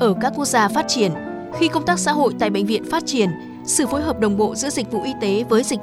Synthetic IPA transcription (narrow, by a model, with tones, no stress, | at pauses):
ʔəː˧˩kaː˦˥kːwk̚zaː˧faː˦˥t̚t͡ɕi˧˩ən | xi˧kə˧wŋ͡mt̪aː˦˥k̚sa̰ː˧˥ɦo̰˧˨jt̪a̰ː˧˨jɓ̰ŋ̟vḭ˧˨ənfaː˦˥t̚t͡ɕi˧˩ən | sɨ̰˧˨fo˨˦jɦəː˨˩p̚ɗə˨˩wŋ͡mɓo̰˧˨zɨ̰˧˥əzi˨˩k̟̚vṵ˧˨ʔi˧t̪e˨˦vəː˨˦jzi˨˩k̚